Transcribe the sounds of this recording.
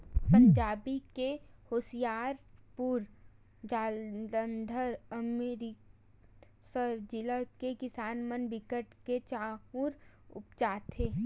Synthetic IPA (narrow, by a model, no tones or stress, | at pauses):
pə̃ɲd͡ʒaːbikehoːsijaːɾpuɾ | d͡ʒaːld̪ənd̪ʱəɾəmeɾi | səɾd͡ʒɪləkekɪsaːnmənbɪkəʈket͡ʃaːuɾʊ̰pt͡ʃaːt̪ʰeː